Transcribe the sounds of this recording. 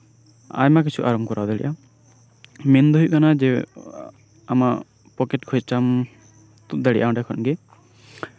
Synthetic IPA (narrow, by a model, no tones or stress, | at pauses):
a̰jmak̬it͡ʃʰuʔaɾɔmkɔɾʔawd̪aɽḭʔa | mɛnd̪uɦuʔkanad͡ʒɛ | ama | pɔkɛʈkʰɔjt͡ʃam | t̪uʔ̚d̪aɽḭʔaɔ̃ɖɛkʰɔnɡɛ